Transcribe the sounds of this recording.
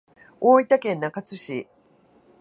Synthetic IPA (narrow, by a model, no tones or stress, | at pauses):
oːit̪akẽ̞nːakat͡sɨɕi